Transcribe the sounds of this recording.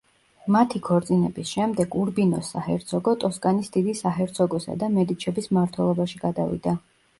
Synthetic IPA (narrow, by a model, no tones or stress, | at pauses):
mat̪ʰikʰɔɾt̪sʼinɛbisʃɛmd̪ɛɡuɾbinɔsːahɛɾt̪sʰɔɡɔt̪ʼɔskʼanisd̪id̪isaɦɛɾt̪sʰɔɡɔsa̰d̪amɛd̪it͡ʃʰɛbismaɾt̪ʰwɛlˠɔbaʃiɡad̪avḭd̪a